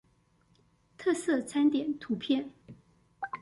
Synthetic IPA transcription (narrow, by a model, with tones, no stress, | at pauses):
t̪ʰɤ˥˧sɤ˥˩t͡sʰa˥nt̪jɛ˨˩˦nt̪ʰu˧˥pʰjɛ˥˩n